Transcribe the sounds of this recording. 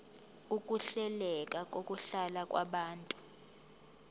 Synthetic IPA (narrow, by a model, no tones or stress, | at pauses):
ukʼuɬɛlɛk̬ʼak̬ʼokʼuɬalakʼwʔa̰ɓaːntʼu̥